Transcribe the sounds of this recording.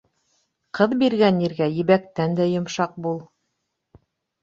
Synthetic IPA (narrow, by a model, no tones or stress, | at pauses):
qɤðbiɾɡæniɾɡæjɘ̆βæk̚t̪ænd̪æjŏmʃɑq̚bulˠ